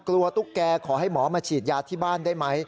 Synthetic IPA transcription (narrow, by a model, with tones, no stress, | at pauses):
klu˧ɐt̪u˦˥˩kːɛː˧kʰɔː˩˦ɦa˥˩jmɔː˩˦maː˧t͡ɕʰiː˨˩t̪̚jaː˧t̪ʰiː˥˩baː˥˩ndaː˥˩jma˦˥j